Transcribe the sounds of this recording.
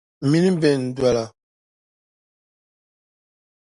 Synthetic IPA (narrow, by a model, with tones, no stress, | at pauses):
mi˦ni˦bɛ˨n˨dwa˨la˨